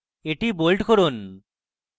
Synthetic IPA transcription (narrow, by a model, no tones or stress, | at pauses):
eʈibolʈkoɾun